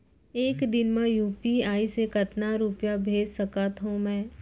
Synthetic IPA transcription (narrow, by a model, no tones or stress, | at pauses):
eːkd̪ɪnmẽjuːpiaːisekɐt̪naɾupjabʱeːd͡ʒsɐkaːt̪ɦũmɛ̃ː